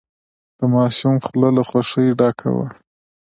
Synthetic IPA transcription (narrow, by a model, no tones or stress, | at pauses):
d̪̥əmɑʃumxlalaxwaʂəjɖɑkʰa̰wa̰